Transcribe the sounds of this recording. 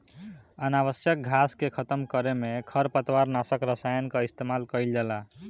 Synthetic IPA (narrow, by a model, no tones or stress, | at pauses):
ənaβəsjək̚ɡʱaskekʰət̪əmkəɾemekʰəɾpət̪waɾnasəkɾəsajənkəist̪emalkəjld͡ʒala